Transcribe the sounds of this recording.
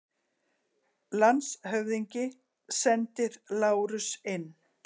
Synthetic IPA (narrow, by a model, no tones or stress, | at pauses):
lansɦœvðiɲcɪ | sɛnt̪ɪɾlaːwɾʏsɪnː